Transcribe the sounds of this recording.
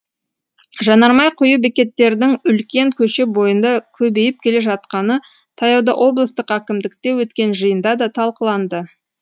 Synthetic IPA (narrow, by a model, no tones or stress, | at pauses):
ʒɑnɑɾmɑjqʰʊjəbekʲe̞t̪ːe̞ɾd̪ɪŋʏlkʲe̞ŋkʲʰɵʃebo̞jənd̪ɑkʲʰɵbe̞jɪp̚kʲʰe̞le̞ʒɑt̪qɑnə | t̪ʰɑjɑwd̪ɑʔo̞blˠəst̪əqækʲɪmd̪ɪkt̪e̞wɵt̪kʲe̞nʒəjənd̪ɑd̪ɑt̪ʰɑlˠqəlˠɑnd̪ə